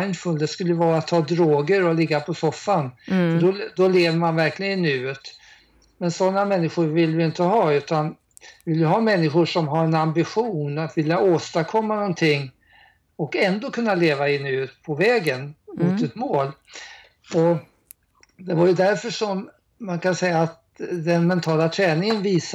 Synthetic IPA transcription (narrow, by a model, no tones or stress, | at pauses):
ajnfɵːld̪ɛskɵlːəjəvɑːɾat̪ʰːɑːd̪ɾoːɡəɾɔlɪɡːapʰɔsɔfːand̪ɔd̪ɔleːvəɾmanvæɾklɪɡənɪnʉ̟ːət̪ | mɛnsɔnːamɛnːɪɧʊɾvɪlːvɪjɪnt̪əɦɑːʉ̟ːt̪an | vɪljəɦɑːmɛnːɪɧʊʂɔmɦaɾɛnambɪɧuːnat̪vɪljaoːst̪aɾkʰɔmːanɔnt̪ʰɪŋː | ɔkɛnd̪oːkʰɵnːaleːvaɪnːʉ̟ːt̪pʰɔvɛːɡənmʊt̪ɛt̪moːl | ɔ | d̪ɛvaɾjɵd̪æɾfœʂɔm | mːankansɛjːaːt̪ | d̪ɛnmɛnt̪ʰɑːlat̪ʰɾɛːnɪŋənviːs